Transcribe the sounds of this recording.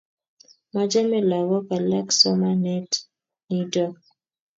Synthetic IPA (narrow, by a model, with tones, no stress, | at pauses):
ma˦d͡ʒa˦mɛ˦la˨wɔ˦ka˨la˦ksɔ˦ma˦nɛ˦t | ni˦dɔ˦˨